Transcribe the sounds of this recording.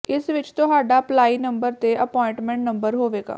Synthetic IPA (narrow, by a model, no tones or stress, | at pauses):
ɪsʋɪt͡ʃt̪ʊɦaːɖaːplaːiːnəmbəɾt̪eːʔəpɔːɪ̃ɳʈmɛ̃ɳʈnəmbəɾɦoːʋeːɡa̰ː